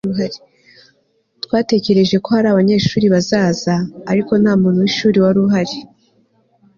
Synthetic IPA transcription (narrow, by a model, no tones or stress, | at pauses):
uɦaɾe | twaːte̞ce̞ɾe̞ʒe̞ko̞haɾaːβaɲe̞ːʃuːɾiβazaːzaːɾiko̞n̥haːmuːn̥huwiʃuːɾiwaɾuɦaɾe